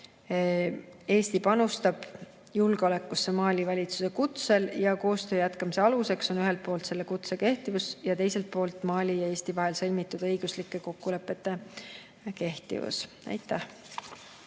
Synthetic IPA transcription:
e̞ːst̪ipɑnust̪ɑb̥ | julɡ̥eo̞lekːˑusːe̞mɑːlʲivɑlʲit̪su̥se̞kut̪se̞ljɑko̞ːst̪øːjæt̪kɑmise̞ɑluse̞kso̞nyɦe̞lt̪̚po̞ːlt̪se̞lːekut̪seke̞ht̪ivusjɑt̪e̞jse̞lt̪̚po̞ːlt̪ːˑmɑːlʲijɑe̞ːsʲt̪ivɑɦe̞lsɤlʲmit̪ːˑud̪̥ɤjɡ̥uslikːˑe̞ko̞kːule̞pːˑe̞t̪ːˑe̞ | ke̞ht̪ḭvṵs | æ̰jt̪ːˑæh

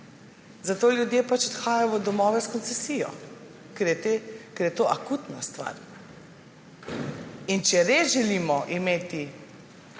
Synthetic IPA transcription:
zat̪oːljud̪jeːpat͡ʃɔt̪xaːjajɔʋəd̪ɔmɔːʋɛskɔnsɛsiːjɔ̰ | kɛɾjɛt̪ekɛɾjɛt̪oʔakut̪nast̪ʋa̰ɾ | int͡ʃɛɾesʒɛliːmɔʔimeːt̪i

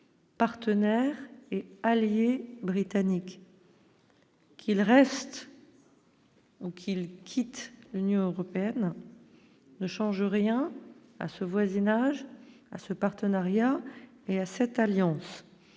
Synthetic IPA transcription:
paʁt̪ənɛʁealjebʁit̪anik | kilʁɛst̪ | ukʲʰilkʲʰit̪lynjɔ̃øʁɔpeɛn | əʃɑ̃ʒəʁjɛ̃ | a̰səvwazinaʒ | a̰səpaʁt̪ənaʁja | easɛt̪aljɑ̃s

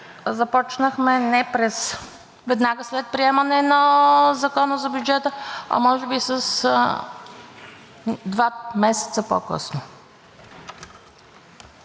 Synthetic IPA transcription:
zɐpɔt͡ʃnəxmɛnɛpɾɛs | vɛd̪naɡəslɛt̪̚pɾiɛmənɛnɐzɐkɔnəzɐbjud͡ʒɛt̪əɐ̰mɔʒɛbisəs | d̪vamɛsɛ̥t̪səpo̰kɤ̰sno

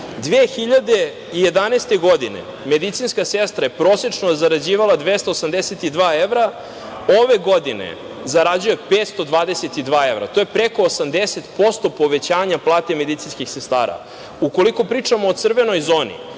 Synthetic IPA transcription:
d̪ʋeːxiʎad̪e̞ | ije̞d̪anest̪eɡo̞d̪inḛ | me̞d̪it̪sinskasest̪ɾajepɾoːset͡ʂnozaɾad͡ʑiːʋalˠad̪ʋest̪aosamd̪eset̪id̪ʋaːeʋɾa | oʋe̞ɡo̞d̪inḛ | zaɾad͡ʑuje̞peːt̪st̪o̞d̪ʋaːd̪e̞set̪id̪ʋaːe̞vɾa̰t̪o̞jepɾeko̞ːsamd̪eset̪po̞st̪o̞po̞ʋe̞t͡ɕaːɲaplˠaːt̪e̞me̞d̪it̪inskixsest̪a̰ːɾa̰ | uko̞liko̞pɾiːt͡ʂamoːt̪sr̩ʋeno̞jzo̞ːnḭ

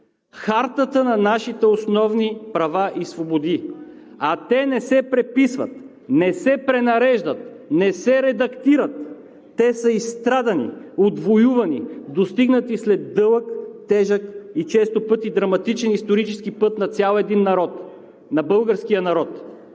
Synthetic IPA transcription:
xaɾt̪ət̪ənɐnaʃit̪ɛosnɔvnipɾɐvaʔisvobod̪i | ɐt̪ɛnɛsɛpɾɛpisvə̰t̪ | nɛsɛpɾɛnɐɾɛʒd̪ət̪ | nɛsɛɾɛd̪ɐkt̪iɾət̪ː | ɛsəist̪ɾad̪ɐnḭod̪vojuvɐnid̪ost̪iɡnət̪islɛd̪ːɤlˠəkt̪ɛʒəkit͡ʃɛst̪opɤt̪id̪ɾɐmɐt̪it͡ʃɛnist̪oɾit͡ʃɛsk̟ipɤt̪nɐt̪sʲalˠɛd̪inːɐɾɔt̪ | nɐbɤlˠɡəɾskijənɐɾɔt̪

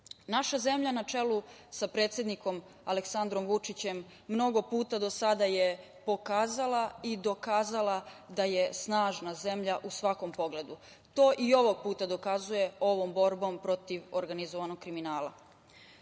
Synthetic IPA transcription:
naʃaze̞mʎanat͡ʃe̞lusapɾe̞ːt̪sʲje̞d̪niko̞m | a̰le̞ksand̪ɾo̞mʋut͡ʂit͡ɕe̞mː | no̞ɡo̞puːt̪ad̪o̞sad̪aje̞ | po̞kaːzalˠaid̪o̞kaːzalˠad̪aje̞snaːʒnaze̞mʎaʔusʋako̞mpo̞ɡle̞d̪u | t̪o̞ːʔio̞ʋoɡ̚puːt̪ad̪o̞kazuje̞o̞ʋo̞mbo̞ɾbo̞mpɾo̞t̪iʋoɾɡanizoʋanoɡ̥̚kɾiminaːlˠa̰

